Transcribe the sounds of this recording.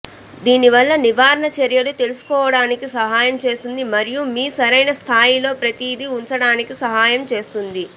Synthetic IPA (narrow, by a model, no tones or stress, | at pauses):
d̪iːniʋɐlːɐniʋaːɾɐɳɐt͡ʃeɾjɐlut̪e̞lusu̥kɔːʋɐɽaːnikisɐɦaːjɐmt͡ʃe̞ːst̪und̪imɐɾijumiːsɐɾɐjnɐst̪ʰaːjilo̞ːpɾɐt̪iːd̪iuɲt͡ʃɐɽaːnikisɐɦaːjɐmt͡ʃe̞ːst̪und̪i